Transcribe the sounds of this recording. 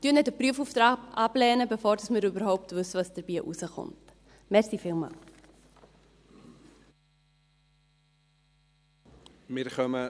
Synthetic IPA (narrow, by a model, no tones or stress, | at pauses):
tyənɛdəpɾyəfuftɾɑːɑblɛːnəbefoːɾdɑsmɪːɾybəɾɦɔʊptvɵsːəvɑsd̥əɾb̥iːəʔusəχʊ̰nt | mɛɾsifɪːlˠmɑ̰l | mɪɾχœmə